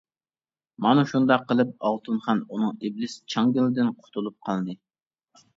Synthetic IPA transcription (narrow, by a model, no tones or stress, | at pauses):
mɑnuʃund̪ɑqːəlˠɨp̚ɑlˠt̪ʰunχɑnunɨŋiblɪst͡ʃʰɑŋɡʲɪlɪd̪ɪnqʰʊ̥t̪ʰulˠup̚qʰɑlˠd̪ɨ